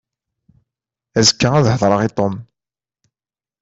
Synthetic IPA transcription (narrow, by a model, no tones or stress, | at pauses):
æzəkːææðhəðˤɾˤəʁit̪ˤom